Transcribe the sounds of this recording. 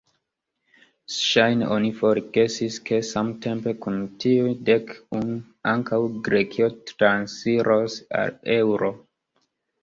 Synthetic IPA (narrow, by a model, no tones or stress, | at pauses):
ʃajnḛʔonifo̞ɾɡe̞siskʰe̞samte̞mpe̞kuntiude̞kun | aŋkawɡɾekʰio̞tɾansfiɾosa̰le̞wɾo̞